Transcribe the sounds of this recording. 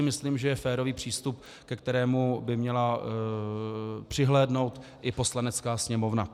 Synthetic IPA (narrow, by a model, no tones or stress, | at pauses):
ɪmɪsliːmʒɛjɛfɛːɾo̞viːpr̝̥iːst̪up̚ | kɛkt̪ɛɾɛːmubɪmɲɛla | pr̝̥ɪɦlɛːdno̞wt̪ʔɪpo̞slanɛt͡skaːsɲɛmo̞vna